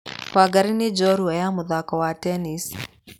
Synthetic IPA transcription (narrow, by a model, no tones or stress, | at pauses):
waɡaɾinid͡ʒɔɾuwajamuðakɔwatɛnis